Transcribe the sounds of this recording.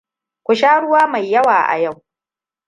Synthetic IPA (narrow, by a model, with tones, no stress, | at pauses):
kʷʊ˨ʃaː˦ɽʊ˦waː˦ma˨jːɐ˦waː˨ʔa̰˨ja˦˨w